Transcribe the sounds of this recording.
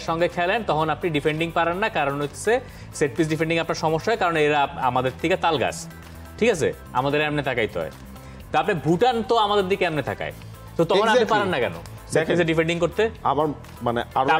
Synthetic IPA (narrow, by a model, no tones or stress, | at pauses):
ʃɔŋɡekʰɛlent̪ɔkʰonapniɖifeɳɖiŋpaɾenːakaɾonɦojt̪ʰe̥sʰe | seʈ̚pis̬ɖifeɳɖiŋapnaɾʃɔmoʃːaɦekaɾonejɾaamad̪eɾt̪ʰiket̪alɡa̰s | ʈʰikat͡ɕʰḛ | amad̪eɾamnet̪ʰakajt̪ɔ̰e | t̪oapnibʱuʈant̪oamad̪eɾd̪ikeamnit̪ʰa̰ka̰e | t̪ot̪ɔkʰonapnipaɾenːakɛno̰ | seiseɖifeɳɖiŋkoɾt̪eamaɾ | maneaɾ